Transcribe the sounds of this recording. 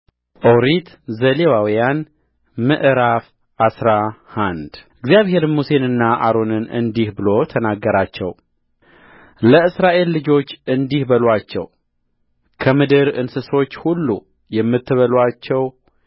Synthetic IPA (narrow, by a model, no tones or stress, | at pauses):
ʔoɾit̪ | zəlewawijan | mɨʔɨɾaf | ʔasɾahand̪ɨɡzijaβhe̞ɾɨmuse̞nɨnːaʔaɾo̞nɨnɨ̰nd̪ihbɨlo̞t̪ʰənaɡːəɾat͡ʃːɛ̰w | ləɨsɾaʔe̞lːɨd͡ʒo̞t͡ʃːɨnd̪ihbəlwat͡ʃːɛ̰w | kʰəmɨd̪ɨɾɨnsɨso̞t͡ʃːhulːṵ | jɛmːɨt̪ːɨβəlwat͡ʃːɛw